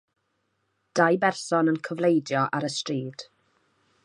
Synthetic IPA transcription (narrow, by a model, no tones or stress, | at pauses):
d̥ajbɛrsɔnənkʰəvlejdjɔʔaɾəstriːd̥